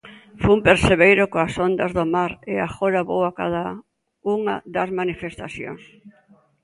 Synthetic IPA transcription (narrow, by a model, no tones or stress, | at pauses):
fuumpeɾseβejɾokoasond̪azðomaɾɪaxoɾaβowaka̰ða | uŋa̰d̪ɐzmanifest̪aθjo̰ŋs